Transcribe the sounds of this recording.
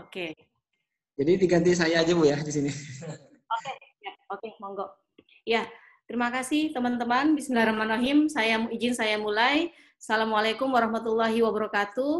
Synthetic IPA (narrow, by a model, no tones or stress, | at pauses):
oke | d͡ʒadit̪iɡant̪̬is̬ajaːd͡ʒapujadisini | okejaokemɔŋɡɔʔ | ja | t̪əɾimakasɪht̪əmant̪əmanbismilaɾamanoɦimsajamid͡ʒɪnsajamulaj | salamualakʊmwaɾɔhmat̪ulːaɦiwabəɾɔkat̪u